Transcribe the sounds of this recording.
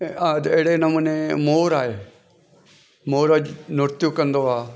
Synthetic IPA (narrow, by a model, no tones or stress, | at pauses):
ad̪eɽenɐmuːnemoːɾaːeː | moːɾəd͡ʒnʊɾt̪jukɐ̃nd̪oaː